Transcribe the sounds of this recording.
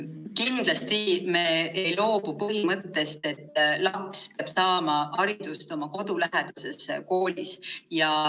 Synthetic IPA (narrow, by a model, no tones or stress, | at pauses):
kind̪̥lɑst̪imeːejlo̞ːb̥upɤɦimɤt̪ːe̞st̪e̞t̪ːlɑkspeɑb̥sɑːmɑhɑɾid̪̥ust̪o̞mɑko̞d̪ulæɦed̪̥use̞sko̞ːlisjɑ